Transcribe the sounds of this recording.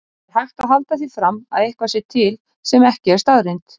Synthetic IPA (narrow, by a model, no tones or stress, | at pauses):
ɛɾhajxt̪aðɦalt̪aθifɾama̰ðehkvasɪt̪ʰɪl | sɛmɛhcɪɛɾst̪aðɾejnt̪